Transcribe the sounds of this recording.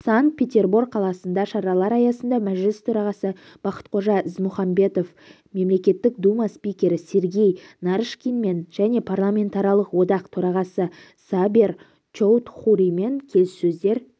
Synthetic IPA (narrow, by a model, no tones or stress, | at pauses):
saŋt̪̚pʰʲe̞t̪ʲe̞rburɡ̚qʰɑlˠɑsənd̪ɑʃɑɾɑlˠɑɾɑjɑsənd̪ɑmæʒlɪst̪ʰɵɾɑʁɑsə | b̥ɑqə̥t̪̚qʰo̞ʒɑɪzmʊχɑmbe̞t̪o̞f | me̞mle̞kʲe̞t̪ːɪkd̪umaspijkʲe̞ɾɪse̞ɾɡʲe̞jnɑɾʃkʲinme̞nʒ̥æne̞pʰarlˠamʲe̞nt̪aɾjɑlˠəqwo̞d̪ɑqt̪ʰɵɾɑʁɑsə | saber | t͡ʃowt̪χuɾime̞ŋkʲʰe̞lssɵzd̪e̞ɾ